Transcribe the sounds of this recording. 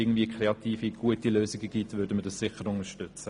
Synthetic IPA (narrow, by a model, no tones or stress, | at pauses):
ɪɡŋ̩dviəkʰɾeɑt̪iːfiɡ̥uətiløːsɪɡəɡitvʏːɾdəmədəssɪχəɾʊnəʃtʏt͡sə